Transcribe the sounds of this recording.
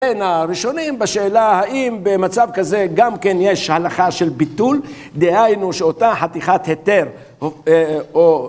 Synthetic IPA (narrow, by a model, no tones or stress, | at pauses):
enaʁiʃo̞nimbaʃeːlahaʔimbemat͡savkaze̞ɡamke̞nje̞ʃhalaχaʃe̞lbit̪ul | d̪ehajnuʃeot̪aħat̪iχat̪het̪e̞ʁ | oo